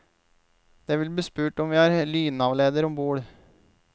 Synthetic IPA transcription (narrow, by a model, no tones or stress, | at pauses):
d̪̥ɛʋɪlb̪iːspʉːʈɔmʋɪæɾlyːnɑʋleːd̪əɾɔmbuːɽ